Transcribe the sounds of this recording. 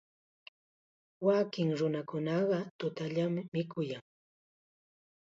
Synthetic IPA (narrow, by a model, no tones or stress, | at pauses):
wakɪŋɾʊnakʊnɑɢɑt̪ʊt̪aʎamɪmɪkʰʊjaŋ